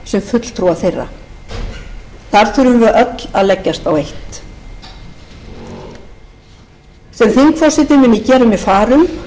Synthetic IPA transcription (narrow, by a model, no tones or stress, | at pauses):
sɛmfʏt̪l̥t̪ʰɾuaθejrːa̰ | θaɾ̥θʏɾʏmvɪʔœt̪la̰ðlɛcːast̪awejht̪ | sɛmθiŋkfɔsɪt̪ɪmɛmɪcɛːɾʏmɪðfaːɾʏm